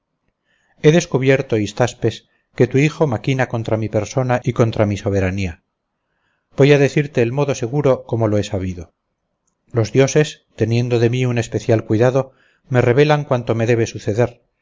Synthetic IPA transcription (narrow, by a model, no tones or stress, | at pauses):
e̞ðe̞skuβje̞ɾt̪o̞ist̪aspe̞s | ke̞t̪uixo̞makinako̞nt̪ɾamipe̞ɾso̞naiko̞nt̪ɾamiso̞β̞e̞ɾania | b̥ojaðe̞θiɾt̪e̞ːlmo̞ðo̞se̞ɣ̞uɾo̞ko̞mo̞lo̞e̞saβ̞iðo | lo̞zðjo̞se̞st̪e̞nje̞nd̪o̞ðe̞miune̞speθjalkwiðaðo̞ | me̞re̞β̞e̞laŋkwant̪o̞me̞ðe̞βe̞suθe̞ðe̞ɾ